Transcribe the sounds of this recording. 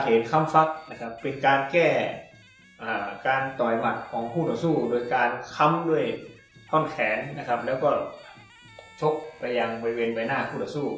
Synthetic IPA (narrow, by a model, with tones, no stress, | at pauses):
kʰeː˨˦t̪̚kʰa˧˥˨mfa˧˥k̚na˧˩kʰa˧pːe˧nkaː˧nkɛː˧˩ | ʔaː˨˧˩kaː˧nt̪ɔː˨˩jma˧˩t̪̚kʰɔː˨˦ŋpʰuː˥˩t̪ɔː˧˩suː˥˩doː˧˨jkaː˧nkʰa˧˥mdu˧˥˩əj | t̪ʰɔ˧˥˩nkʰɛː˨˦nːa˧kʰa˧˥p̚lɛː˧˥wkɔː˧˩ | t͡ɕʰo˦˥k̚pa˧jːa˧ŋbɔː˧ɾi˧weː˧nba˧jnaː˧˥˩pʰuː˥˩t̪ʰɔ˧suː˥˩